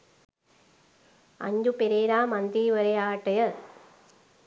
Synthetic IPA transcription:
ɐ̰ɲd͡ʑupeɾeːɾaːmɐnd̪iːʋɐɾɐjaːʈːɐjɐ

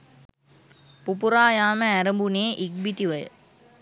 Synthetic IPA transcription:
pupuɾaːjaːməæɾəmbuneːʔik̚bit̪iʋəjə̰

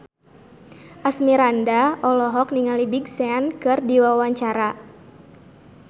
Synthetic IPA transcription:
ʔasmiɾandaʔɔlɔɦɔkniŋalibiɡsɛankɨrdiwawaɲt͡ʃaɾa

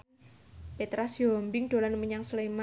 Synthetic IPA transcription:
pet̪ɾasiɔmbɪŋɖ̥o̤lanməɲaŋslema

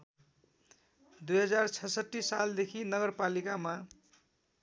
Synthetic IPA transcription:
d̪ujɦʌd͡zart͡sʰʌsʌt̪ːisːald̪ekʰinʌɡʌrpalikama

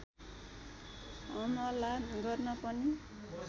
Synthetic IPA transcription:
ʌmʌlanɡʌrnʌpʌni

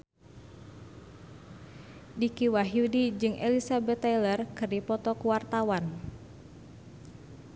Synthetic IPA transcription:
dikiwaɦjudid͡ʒɨŋʔḛlisabɛt̪ːajlərkɨrdipɔt̪ɔkuwart̪awan

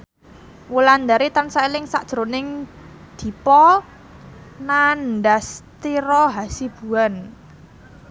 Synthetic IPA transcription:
wuland̪aɾit̪ansailɪŋsaʔd̥ʒ̥ɾonɪŋ | d̪̥i̤pɔ | nanɖast̪iɾɔɦasib̥ṳan

